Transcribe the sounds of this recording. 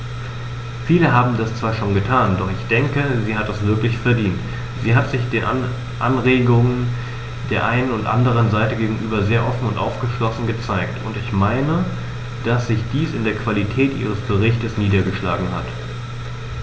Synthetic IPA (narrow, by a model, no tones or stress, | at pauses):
fiːləɦaːbm̩dast͡sv̥aːɐʃoːnɡətʰaːndɔχɪçd̥ɛŋkəziːhat̚d̥asv̥ɪɐklɪçfɛɐdiːnt | z̥iːɦatz̥ɪçd̥eːn | ʔanʁeːɡʊŋən | d̥eːɐʔaɪnənʊntʔa̰ndəʁ̞ənzaɪtəɡeːɡŋ̩ʔyːbɐzeːɐʔɔfn̩ʊ̰ntʔa̰ʊfɡ̥əʃlɔsn̩ɡət͡saɪktʰʊntɪçmaɪnə | d̥asz̥ɪçd̥iːsɪndeːɐkv̥alitʰɛːtʔḭːʁ̞əsb̥əʁ̞ɪçtəsniːdɐɡəʃla̰ːɡŋ̩ha̰t